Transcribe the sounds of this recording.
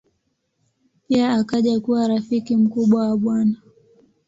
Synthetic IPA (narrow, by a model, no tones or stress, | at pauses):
piaːkaʄakuwaɾafikim̩kuɓwawaɓwana